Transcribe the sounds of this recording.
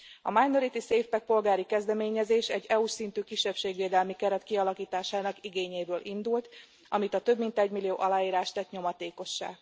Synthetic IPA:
ɒ̰majnoɾit̪iseːfpɛk̚po̞lɡaːɾikɛzd̪ɛmeːɲɛzeːʃɛɟːɛuʃsint̪yːkiʃːɛpʃeːɡʋeːd̪ɛlmikɛɾɛt̪kiɒlɒkiːt̪aːʃaːnɒkiɡeːɲeːbøːlʔind̪ult̪ | ɒmit̪ɒt̪ø̞bmint̪ɛɟmilijo̰ːʔɒlaːjiːɾaːʃt̪ɛt̪ɲo̞mɒt̪eːko̞ʃːa̰ːɡ

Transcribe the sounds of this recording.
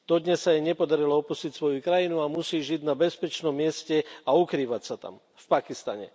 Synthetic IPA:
d̪̥ɔd̪ɲɛsːajɛɲɛpɔd̪aɾilɔɔpuscicsʋɔjukɾajinuamusiːʒiɟnabɛspɛt͡ʃnɔmːɪɛscɛaukɾiːʋacsat̪a̰m | fpakist̪a̰ɲɛ̰

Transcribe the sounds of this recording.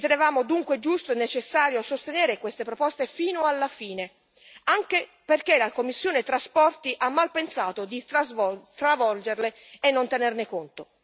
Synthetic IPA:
t̪enevaːmod̪uŋkwed͡ʒust̪oɛnːet͡ʃesːaːɾjosost̪eneːɾekwest̪epɾopɔst̪efiːnoalːafiːne | aŋk̟e | perkelakomːisːjoːnet̪ɾaspɔrt̪iʔamːalpensaːt̪od̪izt̪ɾavɔld͡ʒerleː | nːont̪enernekont̪o

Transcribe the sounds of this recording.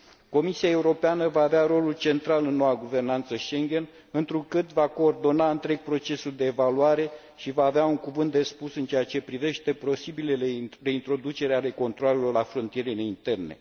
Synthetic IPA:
ko̞misiae̞uɾo̞peanəvaːveaɾo̞lult͡ʃe̞nt̪ɾalɨnːo̞waɡuve̞rnant̪səʃe̞ŋɡʲe̞n | ɨnt̪ɾukɨt̪vako̞ːrd̪o̞naɨnt̪ɾe̞ɡ̥̚pɾo̞t͡ʃe̞suld̪e̞ːvaluaɾe̞ | ʃivaːveauŋkuvɨnt̪d̪e̞spusɨnt͡ʃeat͡ʃe̞pɾive̞ʃt̪e̞pɾo̞sibilelere̞int̪ɾo̞d̪ut͡ʃe̞ɾeaɾe̞ko̞nt̪ɾoale̞lo̞rlafɾo̞nt̪ije̞ɾeneint̪e̞rne̞̰

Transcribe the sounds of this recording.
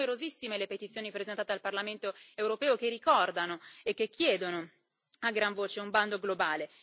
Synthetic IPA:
eɾozisːimelepet̪it̪sjoːnipɾezent̪aːt̪ealparlament̪oewɾopɛːokerikɔrd̪anoekːekʰːjɛːd̪ono | aɡɾaɱvoːt͡ʃeumband̪oɡlobaːle

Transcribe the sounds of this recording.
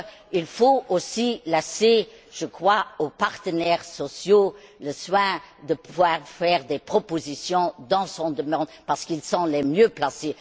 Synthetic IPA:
ilfoosilase | ʒ̥əkχwaopaʁt̪ənɛʁsɔsjoləswɛ̃d̪əpəvwaːʁfɛːʁd̪epχɔpozisjɔ̃d̪ɑ̃sɔ̃d̪əmɑ̃d̪paʁsə̥kilsɔ̃lɛmjøplase

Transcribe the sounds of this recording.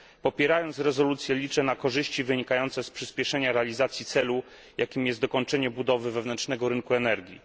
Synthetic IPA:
pɔpʲjɛɾajɔnt̪sɾɛzɔlut̪sʲjɛlʲit͡ʂɛnakɔʐɘɕt͡ɕivɘɲikajɔnt̪sɛspʂɘspʲjɛʂɛɲaɾɛalʲizat̪sʲjit̪sɛlu | jʔakʲimjɛst̪d̪ɔkɔnt͡ʂɛɲɛbud̪ɔvɘvɛvnɛnt͡ʂnɛɡɔɾɘnkuɛnɛɾɡʲjḭ

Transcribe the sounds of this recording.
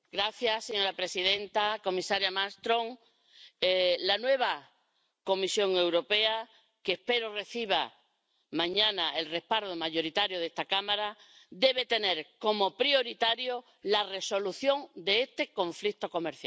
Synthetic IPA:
ɡɾaθjaseɲoɾapɾe̞siðe̞nt̪ako̞misaɾjamast̪ɾõ̞ŋ | lanwe̞β̞a | ko̞misjo̞ŋe̞wɾo̞pe̞a | keːhpe̞ɾore̞θiβ̞a | mãɲãnaʔe̞lre̞hpaɾðomaʝo̞ɾit̪aɾjoðe̞st̪akamaɾad̪e̞β̞e̞t̪e̞ne̞ɾko̞mo̞pɾio̞ɾit̪aɾjo̞ | lare̞so̞luθjo̞ŋd̪e̞est̪e̞ko̞ɱflikt̪o̞ko̞meɾθja

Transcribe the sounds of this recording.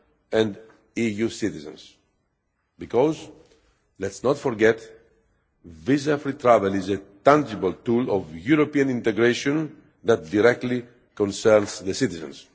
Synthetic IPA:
ɛ̃nd̪ | ijusit̪izə̰̃ns | bikɔz | lɛtsnɔt̪fɔɾɡɛt̪ | vizafɾit̪ɾavɛlizet̪ãnd͡ʒibəlt̪ulɔvjuɾopiãnĩnt̪ɛɡɹeʃɔ̃n | ðat̪̚d̪iɾɛk̚t̪li | kɔ̃nsɛɾnsðəsit̪izə̰̃ns

